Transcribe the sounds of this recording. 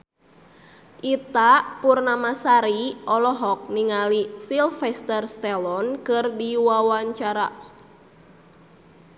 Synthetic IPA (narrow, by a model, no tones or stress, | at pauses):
ʔit̪aʔpurnamasaɾiɔlɔɦɔk̚niŋalisilfɛst̪ərst̪ɛlɔnkɨrdiwawaɲt͡ʃaɾa̰